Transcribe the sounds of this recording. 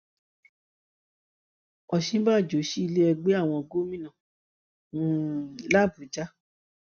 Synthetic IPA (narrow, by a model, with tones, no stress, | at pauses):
ɔ˧ʃĩ˦ba˦˨d͡ʒo˨˦ʃi˦i˧le˦ɛ˧ɡ͡be˦a˦˨w̃ɔ̃˧ɡo˦mĩ˦nã˦˨˦ | la˦˨bu˨˦d͡ʒa˦